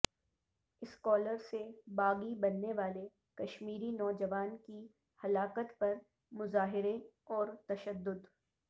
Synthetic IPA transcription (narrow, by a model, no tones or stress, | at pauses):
ɪskɔːləɾsebaːɡibɐnːeʋaːle | kɐʃmiːɾinɔːd͡ʒɐʋaːnki | hɐlaːkət̪pɐɾ | mʊzaːɦɪɾeɔːɾt̪ɐʃəd̪ːʊd̪